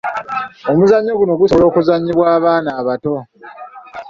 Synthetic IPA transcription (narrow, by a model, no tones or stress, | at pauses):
omuzaɲːoɡuno̞ɡusolo̞ːkuzaɲːiβwaːβaːnaːβato̞